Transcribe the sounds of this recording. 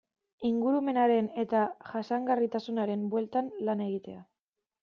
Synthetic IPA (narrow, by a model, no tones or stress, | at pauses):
iŋɡuɾume̞naɾe̞ne̞t̪aʝasaŋɡarit̪asunaɾe̞mbwe̞lt̪anlane̞ɣit̪e̞a